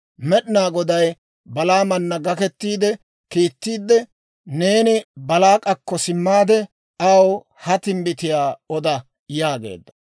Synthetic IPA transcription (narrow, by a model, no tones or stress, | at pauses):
mɛɗɪnaːɡɔd̪ɐj | bɐlaːmɐnːɐɡɐkɛt̪ːiːd̪ɛ | kiːt̪ːiːd̪ːɛ | ne̞ːnɪbɐlaːkʼɐkːɔsɪmːaːd̪ɛ | ɐw | hɐt̪ɪmbɪt̪ɪjaːɔd̪ɐ | jaːɡe̞̰ːd̪ːɐ̥